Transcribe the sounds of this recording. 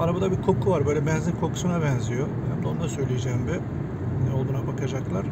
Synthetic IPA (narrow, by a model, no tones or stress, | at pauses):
aɾabad̪abikʰo̞kʰuvaɾbø̞jlʲɛbɛnzʲimkʰo̞kʰu̥sunabɛnzijo | hɛmd̪ond̪asø̞jlʲijed͡ʒɛːmbɪ | nɛolˠbunabakʰad͡ʒaklˠaɾ̥